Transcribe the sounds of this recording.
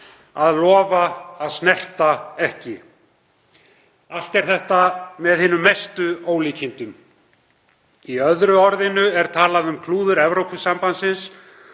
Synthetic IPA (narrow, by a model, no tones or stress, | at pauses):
aðlɔːvaːðsnɛl̥t̪aɛhcɪ | al̥t̪ɛɾ̥θɛht̪amɛðhɪːnʏmest̪ʏoːwliːcʰɪnt̪ʏm | iœðɾʏɔɾðɪnʏɛɾ̥t̪ʰaːlaðʏmkʰluːðʏɾɛvɾowpʏsːampansɪns